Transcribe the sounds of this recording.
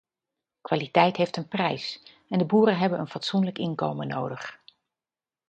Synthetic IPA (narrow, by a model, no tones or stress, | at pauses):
kʋaːlitɛjtɦejftənprɛjs | ɛndəbuːɾəɦɛbənə̰nfɑtsunləkɪnkowməno̰wdəχ